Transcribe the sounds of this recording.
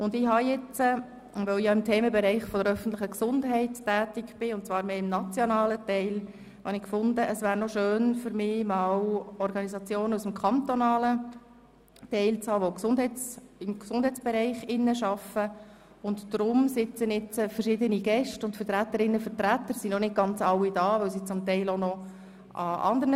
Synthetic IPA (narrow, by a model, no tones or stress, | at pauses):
ʊndɪɦɑjɛt͡sə | ʋoʊjɑɪmtʰeːməbɛɾɛɪχfɔdəɾœfən̩tlɪχəksʊndɦɛɪttæːtɪkb̥ɪʊnt̚t͡svɑːɾmeːɪmnɑt͡sjɔnɑːlətɛɪl | hɑnɪkfʊndəʔəsʋæːɾnɔʃøːnfʏɾmɪːmɑːwɔɾɡɑnizɑt͡sjoːnəusəm̩kʰɑnt̪ɔnɑːlə | tɛɪlt͡shɑːʋɔksʊndɦɛɪt͡sɪmɡsʊnd̥ɦɛɪt͡sb̥ɛɾɛɪχɪnːəʃɑfə | ʊntd̥ɾʊmsɪt͡sənɪt͡səfəɾʃɪdəniɡɛʃtʊntfəɾtɾæt̪ːəɾɪnːəfəɾtɾæt̪ːəɾsinɔnɪt̚ɡ̥ɑnt͡sɑwːidɑːʋɵwsit͡sʊmt̪ɛɪlonɔ | ʔɑɑ̰nd̪əɾnə